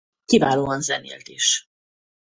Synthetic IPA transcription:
kivaːloːɒnzɛnḛːlt̪iʃ

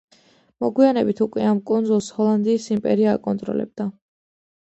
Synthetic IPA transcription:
mɔɡwianɛbit̪ʰukʼwɛamkʼund̪zulˠshɔlˠand̪iːsimpʼɛɾia̰ːkʼɔnt̪ʼɾɔ̰lɛ̰b̚d̪a

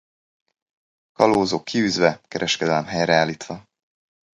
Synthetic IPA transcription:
kɒloːzoːkʰːiyːzʋɛkɛɾʔɛʃkɛd̪ɛlɛmɦɛjrɛaːliːt̪ʋɒ

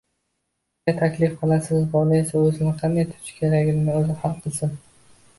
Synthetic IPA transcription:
at̪ʰakʲlɪfqʰɨlˠasɪzbɒlɪesaɵzɪnɪqʰɑnd̪ajt̪ʰʊ̥t͡ʃkʲʰe̞ɾaɡʲɪnnɪɵzɪhɑlˠqʰɨlˠsɪn

